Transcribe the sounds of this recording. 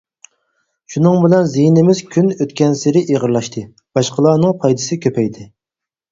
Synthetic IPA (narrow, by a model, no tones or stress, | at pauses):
ʃunɨŋbɪlɛnzijnɪmɪz̥kʲʰynøt̪kʲɛnsɪɾɪʔeʁəɾlˠɑʃt̪ʰɨ | b̥ɑʃqəlˠɑːnɨŋpʰɑjd̪ɨsɨkʲʰøpʰɛjd̪ɪ